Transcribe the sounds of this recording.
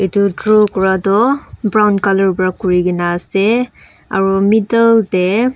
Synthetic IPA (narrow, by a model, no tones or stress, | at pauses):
etʊtɹukɔɹatɔbɹawnkalɔɹbɔɹakuɹiɡinaːsɛ | a̰ɹumitəltɛ